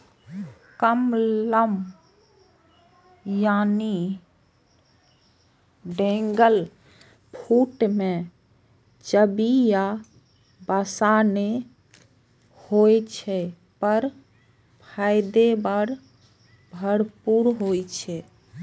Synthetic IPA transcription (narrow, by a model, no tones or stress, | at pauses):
kəmləm | jani | ɖẽŋɡəl | pʰuʈmẽ | t͡ʃəbija | basane | hojt͡ʃʰɛ | pəɾ | pʰajd̪ebəɾ | bʱəɽpuɾɦojt͡ʃʰɛ